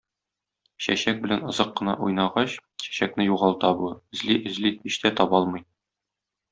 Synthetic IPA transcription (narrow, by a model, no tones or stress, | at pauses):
ɕæ̰ɕæk̚bɘ̆lænŏzɤqːɤ̆nɑ̰ʔujnɑʁɑɕɕæ̥ɕæknɘjuʁɑlˠt̪ɑbuɘ̆zliʔɘ̆zlihiɕt̪æt̪ɒbɑlˠmɤ̆j